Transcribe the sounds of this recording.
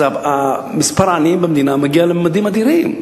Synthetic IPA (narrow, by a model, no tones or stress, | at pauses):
aamispaɾanimbamd̪inamaɡialəmːad̪imad̪iɾim